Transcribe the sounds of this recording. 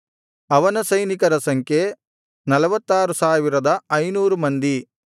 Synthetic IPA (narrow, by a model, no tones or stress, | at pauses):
ɐʋɐnɐsɐjnikɐɾɐsɐŋkʰe | nɐlɐʋɐt̪ːaːɾusaːʋiɾɐd̪ɐɐjnuːɾumɐnd̪i